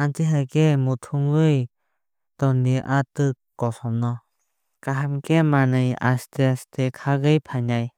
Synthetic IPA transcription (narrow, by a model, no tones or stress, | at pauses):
antiɦakemutʰuŋɡɯj | tɔndiʔatɯkːɔsɔmnɔ | kaɦamkemanɯja̰steastekʰaɡɯjpʰaɲaj